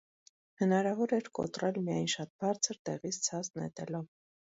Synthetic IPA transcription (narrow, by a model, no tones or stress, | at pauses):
hənɑɾɑvɔɾɛɾkɔ̰t̪rɛlmijɑjnʃɑt̪̚bɑɾt͡sʰəɾt̪ɛʁit͡sʰt͡sʰɑst̪nɛ̰t̪ɛlɔv